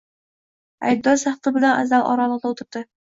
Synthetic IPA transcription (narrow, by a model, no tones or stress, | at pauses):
æ̰jd̪ːɒsæχt̪ɤbɘ̆lænʔæ̰zːælʔɒ̰ɾɑlˠɤq̚d̪ɑut̪ɤ̆ɾd̪ɤ